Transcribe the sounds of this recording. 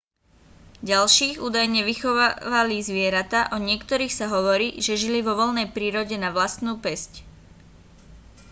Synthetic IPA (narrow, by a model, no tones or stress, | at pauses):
ɟalʃiːɣṵːd̪ajɲɛʋixɔʋaʋalizʋɪɛɾat̪aʔɔɲɪɛkt̪ɔɾiːxsaɦɔʋɔɾiːʒɛʒiliʋɔʋɔlnɛjpɾiːɾɔɟɛnaʋlast̪nuːpɛsc